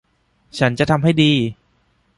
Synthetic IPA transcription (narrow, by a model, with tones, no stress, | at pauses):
t͡ɕʰa˦˥nt͡ɕa˨ʔt̪ʰa˧mɦa˥˩jdiː˧